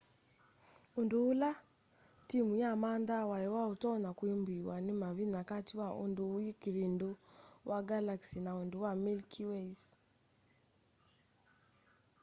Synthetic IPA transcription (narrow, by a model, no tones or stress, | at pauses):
ondoola | timujamaːndawajɛwaotɔnakwembiwanemaβinakatiwaʔo̰ndoːikiβindowaɡalaksinaondowamilkʰiwɛis